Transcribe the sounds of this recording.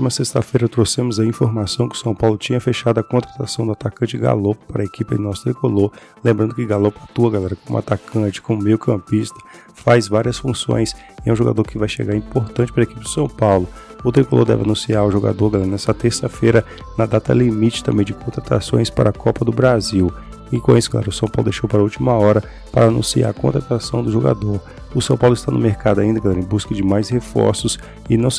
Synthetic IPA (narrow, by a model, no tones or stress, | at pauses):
mɐsest̪ɐfejɾɐt̪ɾosẽmʊzɐĩfoɾmasɐ̃w̃kɪʊsɐ̃w̃pawlʊt͡ʃĩɲɐfeʃad̪ʊɐkõnt̪ɾat̪asɐ̃w̃d̪ʊat̪akɐ̃nt͡ʃɪɡa̰loppaɾɐekipɪɐ̰̃nɔsʊ̥t̪ɾikoloɾ | lẽmbɾɐ̃nd̪ʊkɪɡalopɾɐt̪uɐɡalɛɾɐkõmʊa̰t̪akʰɐ̃t͡ʃɪ̥kõmʊmejʊkʰɐ̃pist̪ɐ̥ | fajzvaɾiɐsfũsõ̰j̃s | ɛũʒoɡa̰d̪oɾkɪvajʃḛɡaɾĩpoɾt̪ɐ̃t͡ʃɪ̥paɾɐekipɪd͡ʒɪsɐ̃w̃pawlʊʊt̪ɾikolo̰ɾd̪ɛ̰vɪa̰nũsiaɾʊʒoɡa̰d̪oɾɡalɛɾnɛst̪ɐt̪eɾsɐfejɾɐ | nɐd̪at̪ɐ̰limit͡ʃɪ̥t̪ɐ̃mbẽj̃d͡ʒɪkõnt̪ɾat̪a̰sõ̰j̃spa̰ɾɐkɔpɐd̪ʊbɾaziw | ɪkõisʊ̥kla̰ɾʊsɐ̃w̃pa̰wlʊd̪ejʃowpaɾɐuwt͡ʃimɐɔɾɐ | paɾɐːnũsia̰ɾɐkõt̪ɾat̪asɐ̃w̃d̪ʊʒoɡa̰d̪oɾ | ʊsɐ̃pawlʊɪist̪anʊmeɾkad̪ʊaĩnd̪ɐɡalɛɾẽbuskɐd͡ʒɪmajshefɔ̰ɾsʊs | ɪnɐ̃w̃